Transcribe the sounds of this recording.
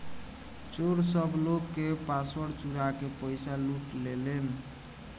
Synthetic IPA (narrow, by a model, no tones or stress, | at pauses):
t͡ʃoɾsəbʱlokːepaswəɾt͡ʃuɾakepəjsaluʈlelen